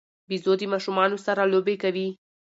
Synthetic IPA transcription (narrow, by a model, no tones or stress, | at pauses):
bizod̪imaʃumaːnusaɾalobekɐʋi